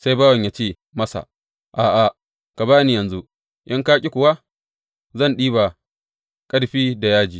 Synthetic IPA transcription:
sa˦jbaː˦wɐ˨ɲjaː˨t͡ʃeː˦˨ | mɐ˦sa̰˨ | ʔaː˨ʔa˨ | ka˨baː˦ni˦jɐ˨nzu˦ | ʔɪ˦ŋkaː˦kʲʼi˦kʷʊ˨wa˦ | zɐ˦˨nɗiː˦ba˨ | kʼɐ˦ɽɸiː˦da˨jaː˦d͡ʒiː˨

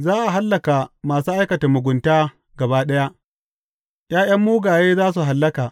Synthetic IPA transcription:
zaː˦ʔa˨ɦa˦lːɐ˨ka˨maː˨suː˦ʔa˦jkɐ˨ta˨mʊ˨ɡʷʊ˨ntaː˦ | ɡɐ˨baː˦ɗɐ˦ja˦ʔ | j̰aː˦j̰ɐ˦mːuː˦ɡaː˨jeː˦zaː˦s̬u˨ɦa˨lːɐ˦kaː˨

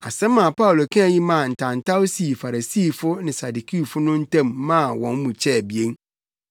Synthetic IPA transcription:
a˨sɛ̃˦mã˨pa˦ʊ˨lo˨kʰã˦˨jĩ˦mã˦˨n̩˨tʰã˨n̩˨tʰa˦o˦si˨fa˨ɾa˨siː˦˨fʊ˦nɪ̃˨sa˨du˨kʰi˦˨fʊ˦nʊ̃˦n̩˦tʰã˦˨mːã˦˨wɔ̃˨n˦mũ˨t͡ɕʰɛ˦˨bi˨e˦n

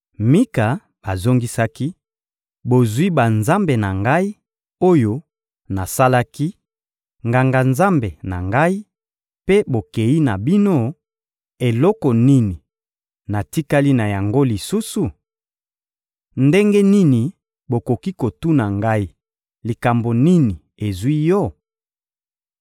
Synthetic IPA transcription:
mi˦ka˨ | ba˨zo˦ŋɡi˦sa˦ki˦ | bo˨zwi˦ba˨nza˦mbe˨na˨ŋɡa˦i˦ | o˦jo˦ | na˨sa˦la˦ki˦ | ŋɡa˨ŋɡa˨nza˦mbe˨na̰˨ŋɡa˦i˦ | pe˦bo˨ke˨ji˦na˨bi˦no˦ | e˨lɔ˦kɔ˨ni˦ni˨ | na˨ti˦ka˦li˦na˨ja˨ŋɡo˦li˨su˦su˨ | nde˦ŋɡe˦ni˦ni˨ | bo˨ko˨ki˦ko˨tu˦na˨ŋɡa˦i˦ | li˨ka˨mbo˨ni˦ni˨ | e˨zwi˦jɔ˦˨

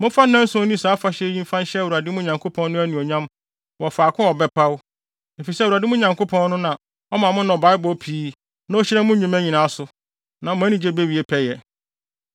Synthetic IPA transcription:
mʊ̃˦fa˦nː˦ɛ̃˦n̩˦sʊ˦nĩ˦saː˨˦fa˨˦ɕɛ˦jĩ˦m˦fã˦n˦ɕɛ˦˨wa˨dɪ˦mʊ̃˦ɲã˨ŋkʰo˦pʰɔ̃˦nnʊ̃˦æ˦nĩ˨o˨ɲã˦m | wɔ˨fa˨kʰʊ̃˦ɔ˨bɛ˦pʰa˦wʊ˦ | e˨fi˨sɛ˦˨u˨a˨dɪ˦mʊ̃˦ɲã˨ŋkʰo˦pʰɔ̃˦n˦nʊ̃˦nã˨ | ɔ˦mã˨mʊ̃˦nɔ̃˨ba˨˦ɪ˦bɔ˦pʰiː˦ | nã˦o˦ɕɪ˦ɾɛ˦mʊ̃˦ɲũ˨mæ˦ɲĩ˨nã˨˦a˦sʊ˨ | nã˨mʊ̃˦æ˦nĩ˨d͡ʑe˦be˦ɥi˨e˦pʰɛ˦jɛ˨

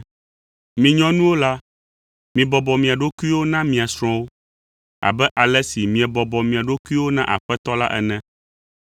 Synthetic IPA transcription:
mĩ˨ɲɔ̃˦nũ˦wo˦la˦ | mĩ˨bɔ˨bɔ˨mĩ˨a˨ɖo˦ku˦i˦wo˦nã˦mĩ˨a˨sɾ̃ɔ̃˦wo˦ | a̰˨bɛ˦ʔa˨lɛ˦si˨mĩ˨ɛ˨bɔ˨bɔ˨mĩ˨a˨ɖo˦ku˦i˦wo˦nã˦ʔa̰˨ɸɛ˦t̪ɔ˦la̰˦ʔɛ̰˨nɛ̃˦

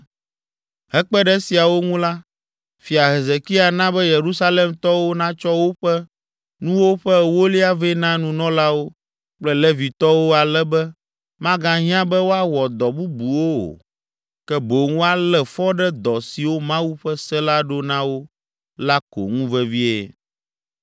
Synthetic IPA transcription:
ɦɛ˦k͡pɛ˦ɖɛ˦si˨a˨wo˦ŋũ˦la˦ | fi˨a˨ɦe˨ze˨ki˦a˨nã˦bɛ˦je˨ɾu˦sa˦le˨mt̪ɔ˦wo˦nã˦t͡ʃɔ˦wo˦ɸɛ˦ | nũ˦wo˦ɸɛ˦wo˦li˦a˦ve˦nã˦nũ˦nɔ̃˦la˦wo˦ | k͡plɛ˦lɛ˦vi˨t̪ɔ˦wo˦a˨lɛ˦bɛ˦ | mã˦ɡã˦ɦĩ˦ã˦bɛ˦wo˦a˦wɔ˨d̪ɔ˨bu˦bu˨wo˦o̰˨ | kɛ˦bo˨ŋ˦wo˦a˦lɛ˨fɔ˦ɖɛ˦d̪ɔ˨si˨wo˦mã˦wu˦ɸɛ˦sɛ˦la˦ɖo˦nã˦wo˦ | la˦ko̰˨ŋũ˦vɛ˦vi˦ḛ˨

